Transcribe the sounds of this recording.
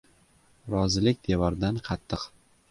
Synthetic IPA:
ɾɒzɪlɪkʲd̪e̞vɒɾd̪anqʰɑt̪ʰːɨq

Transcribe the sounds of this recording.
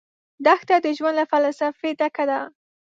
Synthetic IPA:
d̪axt̪ad̪əʒwand̪lafalsafet̪akad̪a

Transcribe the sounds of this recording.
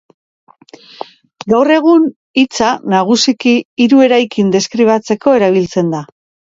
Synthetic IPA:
ɡawre̞ɣ̞un | it͡sanaɣ̞usikiːɾue̞ɾajkind̪e̞skɾiβ̞at͡se̞ko̞e̞ɾaβ̞ilt͡se̞nd̪a

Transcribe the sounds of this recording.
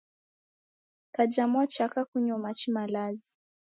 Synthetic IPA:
kad͡ʒamat͡ʃakakuɲɔmat͡ʃimalazi

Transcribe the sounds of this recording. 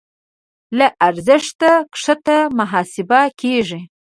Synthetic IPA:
laʔaɾzɪʂt̪akʂət̪amaɦɑsɪbakeʐi

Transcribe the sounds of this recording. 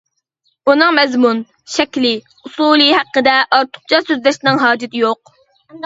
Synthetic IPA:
unɨŋmɛzmun | ʃɛkʲlɪ | usuːlˠɨɦæqːəd̪ɛʔɑɾt̪ʰʊ̥q̚t͡ʃʰɑsøzlɛʃnɪŋɦɑːd͡ʒɪt̪ɪjoq̚

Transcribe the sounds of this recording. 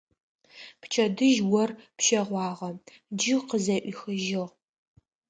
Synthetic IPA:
pt͡ʃʰɐdɨʒwɔrpʃɐʁʷɑːʁɐ | d͡ʒɪqəzɐʔʷixɨʒɪʁ

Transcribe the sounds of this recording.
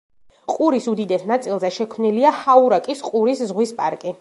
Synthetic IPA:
qʼuɾisud̪id̪ɛsnat̪sʼilˠzɛʃɛkʰmniliahauɾakʼisqʼuɾiszʁwispʼaɾkʼi

